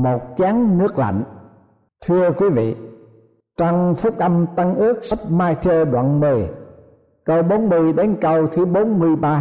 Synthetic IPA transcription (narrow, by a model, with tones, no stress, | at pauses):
mo˨˩t̚t͡ɕaː˨˦ŋnɨ˦˥ək̚la̰˧˨jŋ̟ | t̪ʰɨ˧əkwi˨˦vḭ˧˨ | t͡ɕɔ˧wŋ͡mfʊ˦˥k̚ʔə˧mt̪ə˧ŋʔɨ˦˥ək̚sə˦˥p̚maː˧jt͡ɕəː˧ɗwa̰ː˧˨nmɨ˨˩j | kə˨˩wɓo˨˦nmɨ˨˩əjɗe˨˦nkə˨˩wt̪ʰɨ˨˦ɓo˨˦nmɨ˧əjɓaː˧